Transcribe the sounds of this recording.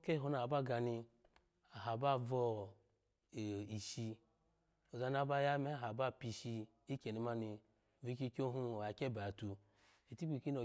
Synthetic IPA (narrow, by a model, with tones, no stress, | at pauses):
ke˦˨ɦo˧na˨ba˦˨ɡa˧ni˧ | a˨ɦa˨ba˦˨vɔ˧˨ | i˨ʃi˧ | o˨za˧n˦a˨˦ba˦ja˦me˦˨ɦa˨ba˦˨pi˧˨ʃi˧ | i˦ke˨ni˨˦ma˦ni˧˨ | vi˦ki˦kʲo˦ɦu˦˨a˨ke˦˨ba˨a˨tu˧ | i˨ti˦bi˨ki˦no˨